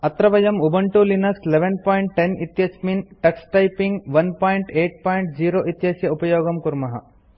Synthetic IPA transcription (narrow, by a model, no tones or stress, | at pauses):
ɐt̪ɾɐʋɐjɐmubɐɳʈulinɐksleʋenpaːjiɳʈːenit̪jɐsminʈɐksʈɐjpiŋɡʋɐnpaːjiɳʈeːʈ̚paːjɳʈ̚d͡ʒiːɾoːʔit̪jɐsjɐupɐjoːɡɐmkuɾmɐɦɐ̰